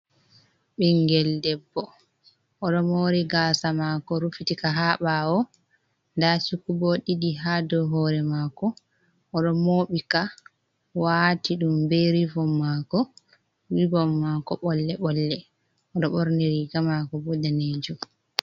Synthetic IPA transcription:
ɓɛŋɡɛldɛbːɔ | ʔɔɗɔmoɾiɡasamakɔɾufitikaɦaɓawɔ | ndasukubɔɗiɗiɦadɔɦɔɾɛmakɔ | ʔːɗɔmoɓika | watiɗumbeɾivɔmːakɔ | wibɔmːakɔɓɔlːɛɓɔlːɛ | ɔɗɔɓɔɾneɾiɡamakɔbɔdaned͡ʒum

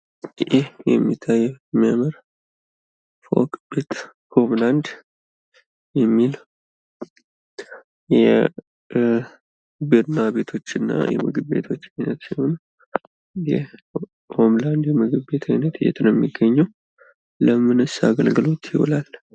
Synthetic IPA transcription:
ʔɪhjɛmːit̪ʰːajːɛɛmːiaməɾ | fo̞̰kbe̞t̪ | hʰo̞mland̪ | jɛmːil | jɛ | biɾnaβe̞t̪ʰo̞t͡ʃːɪnːa̰jɛ̰mɨɡɨbe̞̰t̪ʰo̞t͡ʃːajnət̪sihon | jɛ | omland̪jɛmɨɡɨbbe̞t̪ʰajnət̪ɨjɛ̰t̪njɛmːiɡːəɲːɛw | ləmɨnɨsa̰ɡəlɡɨlo̞t̪jɪwɔ̰lal

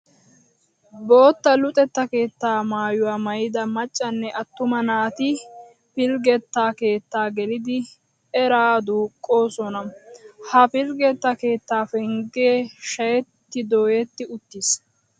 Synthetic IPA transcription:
bo̞ːt̪ːɐlʊt̪ʼɛt̪ːɐke̞ːt̪ːaːmaːjʊwaːmɐjɪd̪ɐmɐt͡ʃʼːɐnːɛʔɐt̪ːʊmɐnaːt̪ɪ | pɪlɡɛt̪ːaːke̞ːt̪ːaːɡɛlɪd̪ɪ | ɛɾaːd̪uːkʼːo̞ːsɔnɐhɐpɪlɡɛt̪ːɐke̞ːt̪ːaːfɛŋɡeːʃɐjɛt̪ːɪd̪o̞ːjɛt̪ːɪʊt̪ːis

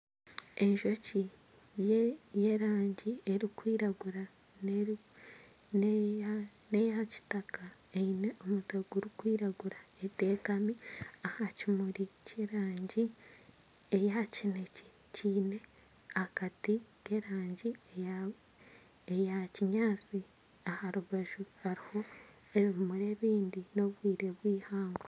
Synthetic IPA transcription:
e̞ɲʒo̞ci | jejeɾaːɲɟie̞ɾikwiːɾaɡuɾa | nejaci̥takaeineomuteɡuɾukwiːɾaɡuɾaete̞ːkamiahacimuɾiceɾaːɲɟi | ejacinece | ciːne̞ | akatike̞ɾaːɲɟi | ejaciɲaːt͡si | ahaɾuβaʒuhaɾiho̞ | eβmuɾe̞βiːndino̞βwiːɾe̞βwiːhaːŋɡa

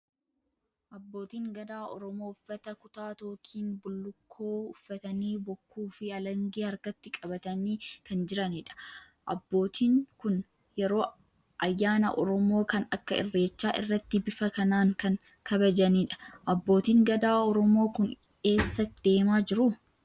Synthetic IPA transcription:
ʔɐbːo̞ːt̪iːŋɡɐd̪aːʔɔ̰ɾɔmo̞ːʊfːɐt̪ɐkʊt̪aːt̪o̞ːkʰiːnbʊlːʊkʰːo̞ːʊfːɐt̪ɐniːbɔkːuːfɪɐlɐŋɡeːɐɾkɐt̪ːɪkʼɐbɐt̪ɐniːkɐnd͡ʒɪɾɐniᶑɐ̥ | ʔɐ̰bːo̞ːt̪ʰiːŋkʊn | jɛɾo̞ː | ʔɐjːaːnɐ̰ʔɔɾɔmo̞ːkɐnɐkːɐɪ̰rːe̞ːt͡ʃːaːʔɪ̰rːɐt̪ːɪbɪfɐkɐnaːŋkɐŋ | kʰɐbɐd͡ʒɐniːᶑɐ̥ʔɐbːo̞ːt̪iːŋɡɐd̪aːɔɾɔmoːkʊn | e̞ːsːɐd̪̥e̞ːmaːd͡ʒɪɾʊ

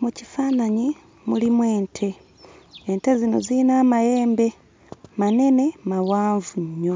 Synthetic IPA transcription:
mucifaːnaɲi | mulimweːntʰe̞ː | nte̞zino̞̰ziːnaːmaje̞ːmbe̞ | mane̞ne̞mawaːɱvuɲːo̞

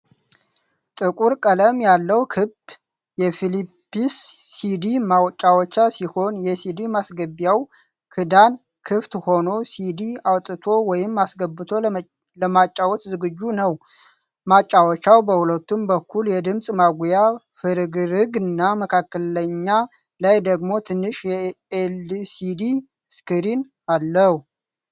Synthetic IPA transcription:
t̪ʼɨkʼuɾkʼələmjalːəwkʰɨb | jɛfilipːisːid̪imawt͡ʃʼːawɔt͡ʃːasiho̞njɛsid̪imasɡəbjaw | kʰɨd̪an | kʰɨft̪ho̞no̞sid̪iawt̪ʼːɨt̪ʰo̞wɔjɪmːasɡəbːɨt̪ʰo̞ | ləmat͡ʃʼːawɔt̪zɨɡɨd͡ʒːunəw | mat͡ʃʼːawɔt͡ʃːawbəhulət̪ːumbəkːuljɛd̪ɨmsʼmaɡʷuja | fɨɾɨɡɨɾɨɡɨnːaməkʰakːələɲːa | lajd̪əɡmo̞t̪ʰɨnːɨʃjɛelsid̪i | skʰɨɾin | alːəhu

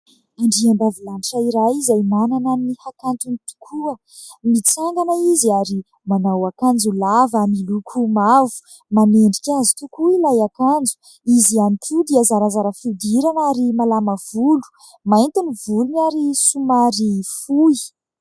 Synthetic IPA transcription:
aɳɖ͡ʐiaɳbavulaniʈ͡ʂaiɾajizajmanananihakant̪unit̪u̥kʰuə | mit͡saŋɡanaiziaɾi | manawakand͡zulavamilukʰumavu̥ | maneɳɖ͡ʐikʲazi̥t̪ukuilajakand͡zu̥ | izianit̪ʰud̪iazaɾazaɾəfid̪iɾanaɾimalamav̥ulu̥ | mant̪inivulunaɾisumaɾifui

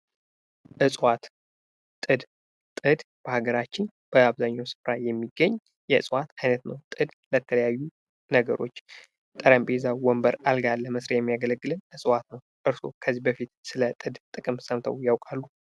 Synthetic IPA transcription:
ʔɨsʼwat̪ | t̪ʼɨd̪ | t̪ʼɨd̪ | b̥əhaɡəɾat͡ʃːɪn | b̥əaβzaɲːawsɨ̥fɾajɛmːiɡːəɲː | jɛɨsʼwat̪ajnət̪nəwt̪ʼɨd̪lət̪ʰələjajːu | nəɡəɾo̞̰t͡ʃː | t̪ʼəɾambʼezawɔmbəɾalɡalːəməsɾəjɛmːijaɡələɡːɨlɨnɨsʼwat̪nəw | ʔɨɾso̞̰kʰəzːibəfit̪sɨlət̪ʼɨd̪t̪ʼɨkʼɨmsəmt̪ʰə̰wjawkʼalːu

